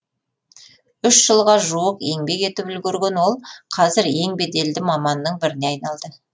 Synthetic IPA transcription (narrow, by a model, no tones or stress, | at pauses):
ʏʃʒəlˠʁɑʒuwəqe̞ŋbe̞ke̞t̪ɪpʏlɡʲeɾɡʲe̞nwo̞lˠqʰɑzɪɾje̞ŋbe̞d̪e̞ld̪ɪmɑmɑnːəɴbɪɾɪne̞ɑjnɑlˠd̪ə